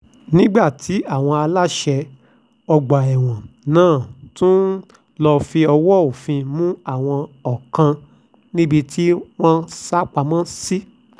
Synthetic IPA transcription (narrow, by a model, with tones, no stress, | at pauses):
nĩ˦ɡ͡ba˦˨tʰi˨˦a˦˨w̃ɔ̃˧a˧la˦ʃɛ˧ | ɔ˧ɡ͡ba˨ɛ˨w̃ɔ̃˨nãː˦˨tũ˦ | lɔ˧fi˧ɔ˧wɔ˦o˨fĩ˧mũ˦a˦˨w̃ɔ̃˧ɔ˨kã˧ | nĩ˦bi˧tʰi˦w̃ɔ̃˦sa˦k͡pa˧mã˦si˦